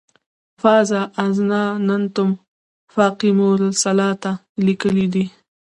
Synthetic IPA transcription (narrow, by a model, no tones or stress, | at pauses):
fɑːzaʔːznɑnant̪ʊm | fɑːqimoɾlsalɑt̪a | likəlid̪i